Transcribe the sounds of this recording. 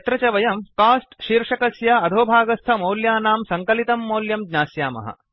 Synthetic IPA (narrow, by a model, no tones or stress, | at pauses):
t̪ɾɐt͡ʃɐʋɐjɐmkaːsʈʃiːɾʂɐkɐsjaɐd̪ʱoːbʱaːɡɐst̪ʰɐmoːljaːnaːmsɐŋkɐlit̪ɐmːoːljɐmɡɲaːsjaːmɐ̰ɦɐ̰